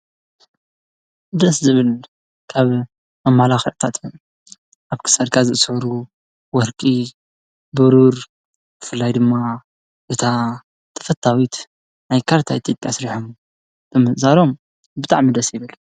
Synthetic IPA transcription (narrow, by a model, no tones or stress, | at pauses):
d̪ɐszɨβɨl | kʰaβ | mɐmalaxʕt̪ʰat̪jom | ʔaβkʰɨ̥sad̪kʰazɨʔsʕuɾu | wɔɾkʼi | bɨɾuɾ | bɨfɨlːajd̪ɨmːa | ʔɨt̪ʰa | t̪ʰɐ̥fɐt̪ʰːawit̪ | najkʰaɾt̪ʰait̪ʲʰjo̞pʼjasɾiħom | t̪ʰɐmɨszaɾo̞m | bɨt̪ʼa̰ʕmid̪ɐsjɪβɨl